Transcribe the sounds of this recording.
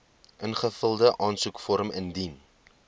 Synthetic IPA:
ʔənχəfəlˠdəʔɑːnsukfɔɾməndin

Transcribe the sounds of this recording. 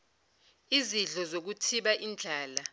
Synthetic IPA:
iziɮɔzok̬utʰiɓaʔind͡ɮʱaːla

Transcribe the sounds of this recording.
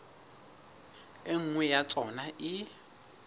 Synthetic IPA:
ɪŋ̩ŋwɛjat͡sʼɔnaʔɪ

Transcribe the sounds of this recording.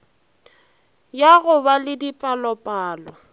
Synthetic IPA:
jaɣʊbalɪdipʼalɔpʼaːlɔ

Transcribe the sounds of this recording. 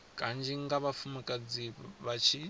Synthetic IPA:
kʼand͡ʒiŋɡaβafumɛkʼad͡ziβat͡ʃʰi

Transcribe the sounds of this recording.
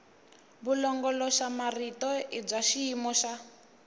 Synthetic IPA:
βulɔŋɡɔlɔʃamaritɔib͡ʐaʃiːmɔʃa

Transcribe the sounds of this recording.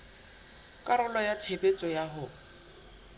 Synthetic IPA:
kʼaɾʊlɔjatʰebʼet͡sʼɔjaɦʊ

